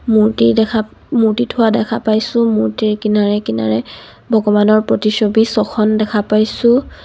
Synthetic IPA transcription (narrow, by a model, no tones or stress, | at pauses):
muɹtidɛkʰa | muɹtitʰʊwadɛkʰapajsʊ̃muɹtiɹkinaɹɛkina̰ɹɛ | bʱɔɡɔmanɔɹpɹɔtisobisɔxʰɔndɛkʰapajsʊ̃